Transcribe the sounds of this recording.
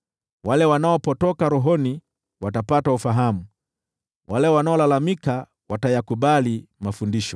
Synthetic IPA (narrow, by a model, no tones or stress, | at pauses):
walɛwanaɔpɔtɔkaɾɔɦɔni | watapataufaɦamu | walɛwanaɔlalamika | watajakuɓalimafundiʃɔ